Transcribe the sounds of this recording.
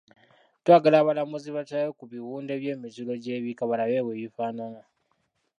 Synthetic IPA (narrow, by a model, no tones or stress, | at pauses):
twaːɡalaːβalamuziβatajokuβiwuːnde̞ːβje̞ːmiculo̞ɟe̞ːβikaβalaje̞ːweːjifaːnama